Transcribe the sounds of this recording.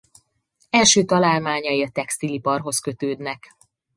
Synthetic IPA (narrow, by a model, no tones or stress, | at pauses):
ɛlʃøːt̪ɒlaːlmaːɲɒjiɒt̪ɛkst̪ilipɒrɦo̞skø̞t̪øːd̪nɛk